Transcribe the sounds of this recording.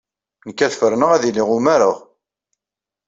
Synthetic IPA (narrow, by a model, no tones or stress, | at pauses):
nəkːæθfəɾnəʁæðilɪʁʊmæɾəʁ